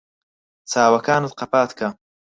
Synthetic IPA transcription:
t͡sʰaːwɐkaːnut̪̚qɐpaːt̪kʰɐ

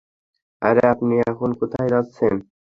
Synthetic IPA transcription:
a̰ɾeapniaxunkut̪ʰajɾɔt̪sʰen

